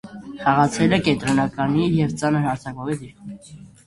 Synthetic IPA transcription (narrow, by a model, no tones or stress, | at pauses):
χɑʁɑt͡sʰɛɾəkɛnt̪ɾɔnɑkɑnijɛvt͡sɑnəɾhɑɾt͡sʰɑkɔvɛt͡siɾ